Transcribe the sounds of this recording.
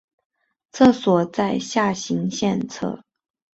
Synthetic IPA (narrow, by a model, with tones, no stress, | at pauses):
t͡sʰɤ˥˩swɔ˨˩t͡sa˥˧ɪɕja˥˩ɕi˧˥ŋɕjɛ˥˧nt͡sʰɤ̰˥˩